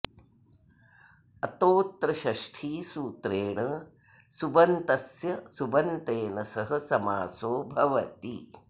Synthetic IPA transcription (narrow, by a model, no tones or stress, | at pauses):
ɐt̪oːt̪ɾɐʃɐʂʈʰiːsuːt̪ɾeːɳɐ | subɐnt̪ɐsjɐsubɐnt̪eːnɐsɐɦɐ̆sɐmaːsoːbʱɐʋɐt̪ḭ